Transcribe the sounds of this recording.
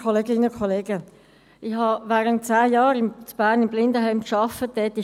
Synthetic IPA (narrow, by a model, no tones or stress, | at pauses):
kʰɔleːɡɪnəkʰɔleːɡə | ʔɪhɑvaːʁənt̚t͡saːjɑːɾɪmt͡sb̥æːʁnɪmblɪndəɦaɪmkʃɑfəd̥ɛtɪ